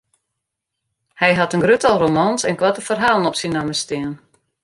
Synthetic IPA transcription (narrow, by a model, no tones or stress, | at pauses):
hɛjɦatənɡrøtalˠromansɛnkʋatəfərɦaːlˠənɔpsinaməstɪən